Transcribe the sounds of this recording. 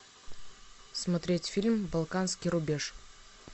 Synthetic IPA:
smɐt̪ɾʲetʲfʲilʲmbalˠkanskʲijɾubʲe̞ʂ

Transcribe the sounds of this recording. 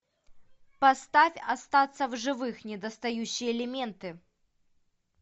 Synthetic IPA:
pɐst̪afʲɐst̪at̪sːəvʐɨvɨxnʲɪd̪ɐst̪ɐjuɕːɪjəːlʲɪmʲent̪ɨ

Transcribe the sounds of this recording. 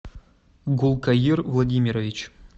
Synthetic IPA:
ɡulˠkajirvlˠadʲimʲiɾovʲit͡ɕ

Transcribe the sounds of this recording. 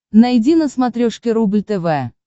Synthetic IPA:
najdʲinəsmat̪ɾʲoʂkʲɪɾublʲt̪ɛvɛ

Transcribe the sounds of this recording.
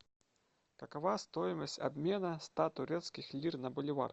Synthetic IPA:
kɐkɐvast̪oɪməsʲtʲɐ̰bmʲe̞nəst̪at̪ʊɾʲet̪skʲɪxlʲirnɐbʊlʲɪva̰r

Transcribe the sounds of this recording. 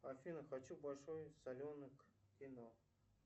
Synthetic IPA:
ɐfʲinəxɐt͡ɕubɐlʲʂojsɐlʲonɨkkʲino

